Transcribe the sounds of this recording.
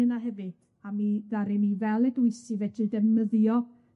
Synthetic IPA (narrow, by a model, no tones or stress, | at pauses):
ɨnaɦɛvɨ | amiðaɾimivɛlˠɛdʊɨsivɛdɨdəməðjɔ